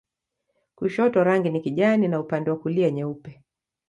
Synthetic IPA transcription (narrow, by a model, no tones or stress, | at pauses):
kuʃɔtɔɾaŋɡinikiʄaninaupandɛwakuliɛɲɛupɛ